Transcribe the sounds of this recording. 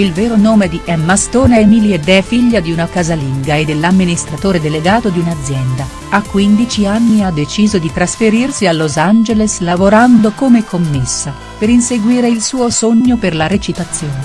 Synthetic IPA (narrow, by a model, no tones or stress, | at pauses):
ilvɛːɾonoːmed̪iʔɛmːast̪oːnɛmilied̪ɛfiʎːad̪iunakazaliŋɡaed̪ːelːamːinist̪ɾat̪oːɾed̪eleɡaːt̪od̪iunad̪zːjɛnd̪a | akːwind̪it͡ʃianːiad̪ːet͡ʃiːzod̪it̪ɾasfeɾirsialːozand͡ʒeleslavoɾand̪okomekʰːomːesːa | peɾinseɡwiːɾeilsuːosoɲːoperlaɾet͡ʃit̪at̪sːjoːne